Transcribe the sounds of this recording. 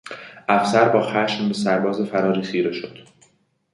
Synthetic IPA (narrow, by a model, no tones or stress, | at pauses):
ʔæfsæɾbɒːxæːʃmbe̞sæɾbɒːze̞fæɾɒːɾiːsiːɾeʃod̪̥